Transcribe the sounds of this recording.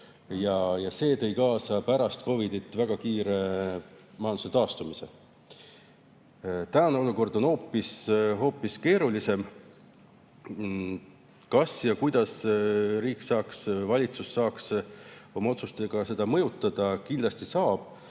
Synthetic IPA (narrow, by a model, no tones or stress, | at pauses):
jɑjɑse̞ːt̪ɤ̞jkɑːsɑpæɾɑst̪ko̞vid̪it̪ːˑvæɡ̥ɑkiːɾe̞ | mɑjɑnd̪u̥set̪ɑːst̪umise̞̰ | t̪æneo̞luko̞rd̪o̞no̞ːpːisɦo̞ːpːiske̞ːɾulise̞m | kɑsjɑkujd̪̥ɑsɾiːksɑːksvɑlʲit̪susːɑːkso̞mɑo̞t̪sust̪eɡ̥ɑse̞d̪̥ɑmɤ̞jut̪ːˑɑd̪̥ɑkind̪lɑst̪isɑːb̥